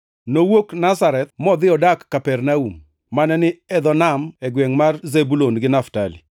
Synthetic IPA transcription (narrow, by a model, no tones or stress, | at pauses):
nowoknasaɾɛt̪̚mɔd̪ɪɔdakːapɛrnaumː | anɛnɪɛd̪ɔnamɛɡwɛŋmarzebulonɡɪnaftalḭ